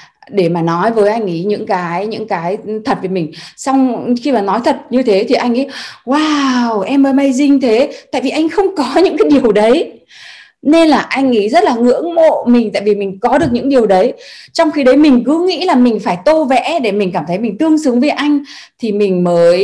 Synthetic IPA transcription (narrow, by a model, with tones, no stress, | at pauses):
ɗe˧˩maː˨˩nɔ˨˦jvəː˨˦jʔa˧jŋ̟ʔḭ˨˦ɲɨ̰˧˥ŋkaː˨˦jɲɨ̰˧˥ŋkaː˨˦jt̪ʰə˨˩t̚vəː˨˦jmï˨˩ŋ̟sa˧wŋ͡mxi˧maː˨˩nɔ˨˦jt̪ʰə˨˩t̚ɲɨ˧t̪ʰe˨˦t̪ʰi˨˩ʔa˧jŋ̟ʔḭ˨˦waː˧wʔɛ˧mːəː˨˦jmaə˧jzï˧ŋ̟t̪ʰe˨˦t̪a̰ː˧˨vi˨˩ʔa˧jŋ̟xə˧wŋ͡mkɔ˨˦ɲɨ̰˧˥kaː˨˦jɗi˨˩əwɗə˨˦j | ne˧nlaː˨˩ʔa˧jŋ̟ʔi˨˦zə˦˥t̚laː˨˩ŋɨ̰˧˥əŋmo̰˧˨mï˨˩ŋ̟t̪a̰ː˧˨jvi˨˩mï˨˩ŋ̟kɔ˨˦ɗɨ˨˩ək̚ɲɨ̰˧˥ŋɗi˨˩əwɗə˨˦jt͡ɕɔ˧wŋ͡mxi˧ɗə˨˦jmï˨˩ŋ̟kɨ˨˦ŋḭ˧˥laː˨˩mï˨˩ŋ̟faː˧˩jt̪o˧vɛ̰˧˥ɗe˧˩mï˨˩ŋ̟k̬aː˧˩mt̪ʰə˨˦jmï˨˩ŋ̟t̪ɨ˧əŋsɨ˨˦əŋvəː˨˦jʔa˧jŋ̟t̪ʰi˨˩mï˨˩ŋ̟məː˨˦j